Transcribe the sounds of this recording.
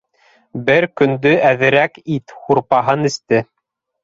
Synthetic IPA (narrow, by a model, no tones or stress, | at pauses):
bɘɾkɵ̆nd̪ɵʔæðɘ̆ɾækit̪huɾpɑɦɤnɘ̆st̪ɘ